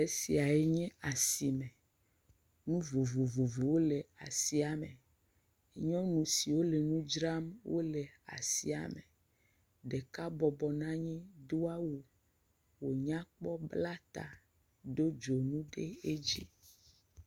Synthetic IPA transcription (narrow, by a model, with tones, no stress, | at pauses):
e˦si˨a˨e˦ɲɛ̃˦a˨si˨mɛ̃˨ | nũ˦vo˨vo˨vo˨vo˨wo˦le˨a˨si˦a˨mẽ˨˦ | ɲɔ̃˦nũ˨si˨wo˦le˨nũ˦d͡ʒɾa˦mwʔo˦le˨a̰˨sḭ˨˦a̰˨mẽ˨ | ɖe˨ka˦bɔ˨bɔ˨nã˦ɲɛ̃˦do˦a˦wu˦ | wo˨ɲã˦k͡pɔ˦bla˦t̪a̰˨ | ɖo˦d͡ʒo˨nũ˦ɖe˦e˦d͡ʒi˦